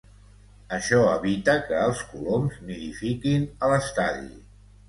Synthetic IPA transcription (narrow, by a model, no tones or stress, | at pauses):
əʃɔəβit̪əkəːlˠskulomzmiðifikinələst̪aðḭ